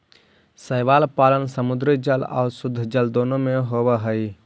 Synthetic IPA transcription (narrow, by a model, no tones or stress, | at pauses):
səjʋalpalənsəmud̪ɾid͡ʒəla̰ːʊsʊd̪ʱːd͡ʒəld̪oːnomeɦobəɦəj